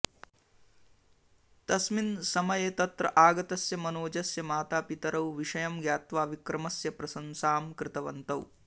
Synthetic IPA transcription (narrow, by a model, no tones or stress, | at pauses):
t̪ɐsminsɐmɐjeːt̪ɐt̪ɾɐ̰ʔaːɡɐt̪ɐsjɐmɐnoːd͡ʒɐsjɐmaːt̪aːpit̪ɐɾɐwʋiʂɐjɐmɡjaːt̪ʋaːʋikɾɐmɐsjɐpɾɐsɐnsaːmkɾɪt̪ɐʋɐnt̪ɐw